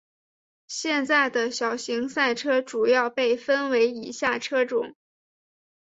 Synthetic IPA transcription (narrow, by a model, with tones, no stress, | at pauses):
ɕjɛ˥˧nt͡sa˥˩ɪd̪ə˩ɕjɑ˨˩ʊɕi˧˥ŋsa˥˩ɪʈ͡ʂʰɤ˥ʈ͡ʂu˨˩jɑ˥˧ʊpe˥˩ɪfə˥nwe˧˥ɪi˨˩ɕja˥˩ʈ͡ʂʰɤ˥ʈ͡ʂʊ̰˨˩˦ŋ